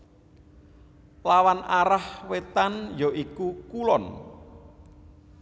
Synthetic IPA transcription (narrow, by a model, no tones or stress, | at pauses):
lawanaɾahwet̪anjɔʔikukulɔn